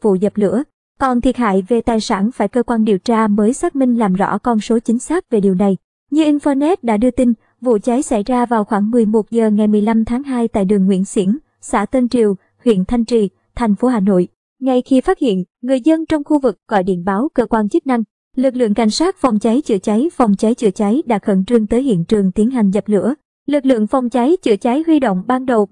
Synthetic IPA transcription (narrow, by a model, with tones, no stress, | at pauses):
vṵ˧˨zə˨˩p̚lɨ̰˧˥ə | kɔ˨˩nt̪ʰi˨˩ət̚ha̰ː˧˨jve˨˩t̪aː˨˩jsaː˧˩nfaː˧˩jkəː˧kwaː˧nɗi˨˩əwt͡ɕaː˧məː˨˦jsaː˦˥k̚mï˧ŋ̟laː˨˩mzɔ̰˧˥kɔ˧nso˨˦t͡ɕï˨˦ŋ̟saː˦˥k̚ve˨˩ɗi˨˩əwna˨˩j | ɲɨ˧ʔi˧nfɔ˧nɛ˦˥t̚ɗa̰ː˧˥ɗɨ˧ət̪i˧n | vṵ˧˨t͡ɕa˨˦jsa˧˩jzaː˧vaː˨˩wxwaː˧˩ŋmɨ˨˩əjmo˨˩t̚zəː˨˩ŋa˨˩jmɨ˨˩əjla˧mt̪ʰaː˨˦ŋɦaː˧jt̪a̰ː˧˨jɗɨ˨˩əŋːwḭ˧˥ənsḭ˧˥ən | sa̰ː˧˥˩t̪ə˧ŋt͡ɕi˨˩əw | hwḭ˧˨ənt̪ʰa˧jŋ̟t͡ɕi˨˩ | t̪ʰa˨˩jŋ̟fo˨˦ɦaː˧˩no̰˧˨j | ŋa˨˩jxi˧faː˦˥t̚hḭ˧˨ənŋɨ˨˩əjzə˧nt͡ɕɔ˧wŋ͡mxu˧vɨ˨˩k̚ɣɔ̰˧˩jɗḭ˧˨ənɓaː˨˦wkəː˧kwaː˧nt͡ɕɨ˦˥k̚na˧ŋ | lɨ˨˩k̚lɨ̰˧˨əŋka˧˩jŋ̟saː˦˥t̚fɔ˨˩wŋ͡mt͡ɕa˨˦jt͡ɕɨ̰˧˩ət͡ɕa˨˦jfɔ˨˩wŋ͡mt͡ɕa˨˦jt͡ɕɨ̰˧˩ət͡ɕa˨˦jɗa̰ː˧˥xə̰˧˩nt͡ɕɨ˧ŋt̪əː˨˦jhḭ˧˨ənt͡ɕɨ˨˩əŋt̪i˨˦ənɦa˨˩jŋ̟zə˨˩p̚lɨ̰˧˥ə | lɨ˨˩k̚lɨ̰˧˨əŋfɔ˨˩wŋ͡mt͡ɕa˨˦jt͡ɕɨ̰˧˩ət͡ɕa˨˦jɦwi˧ɗo̰˧˨wŋ͡mɓaː˧nɗə˨˩w